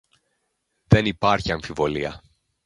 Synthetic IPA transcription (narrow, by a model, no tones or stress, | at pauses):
ðe̞nipɐɾçiɐɱfivo̞liɐ